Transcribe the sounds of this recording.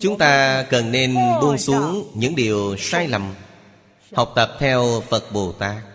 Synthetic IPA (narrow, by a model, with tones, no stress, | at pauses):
t͡ɕʊ˨˦ŋ͡mt̪aː˧kə˨˩nːe˧nɓu˧ənsu˨˦əŋɲɨ̰˧˥ŋɗi˨˩əwsaː˧jlə˨˩m | ha˨˩wk͡p̚t̪ə˨˩p̚t̪ʰɛ˧wfə˨˩t̚ɓo˨˩t̪aː˨˦˥k̚